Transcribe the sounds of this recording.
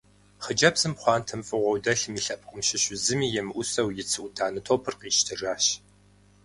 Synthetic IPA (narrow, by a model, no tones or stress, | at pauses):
χəd͡ʒɐbz̥ɨmχʷɑːntʰɐmfʼɨʁʷɔwdɐɬɨmiːɬɐp̚ʰʼqʼəmʃɪɕʊzɨmiːjɛmɨʔʷʊsɐwjɪt͡sʰɨʔʷʊdʰaːnɨtʰoːpʰɨrqiːʃtʰɨraːɕ